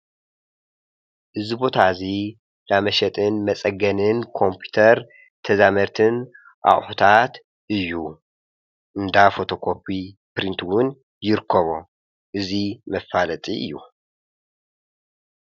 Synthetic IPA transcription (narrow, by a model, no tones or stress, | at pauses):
ʔɨzibo̞t̪ʰazi | d̪amɐʃɛt̪ʼɨnmɐt͡sʼɐɡɐnɨnkʰo̞mpʰi̥t̪ʰɐɾ | t̪ʰɐzamɐɾt̪ʰɨn | ʔa̰χʼħut̪ʰat̪ | ʔɨjːu | ʔɨnd̪afo̞t̪ʰo̞kʰo̞pʰːipɾint̪ʰwʊn | jɪɾɨkʰːɐβo | ʔɨzimɐfalɐt̪ʼiʔɨ̰jːu